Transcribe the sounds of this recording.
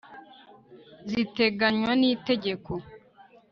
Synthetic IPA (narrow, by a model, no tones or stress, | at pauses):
zite̞ɡaɲwaniːte̞ɟe̞kʰo